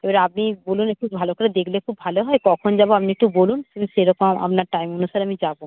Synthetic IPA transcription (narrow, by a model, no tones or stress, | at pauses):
ebaɾap̚nibolunkʰubbʱalokoʈad̪ekʰlekʰubːʱaloɦɔekɔkʰond͡ʑaboapniek̚ʈubolunt̪umiʃeɾɔkoma̰p̚naɾʈajmonuʃaɾamid͡ʑabo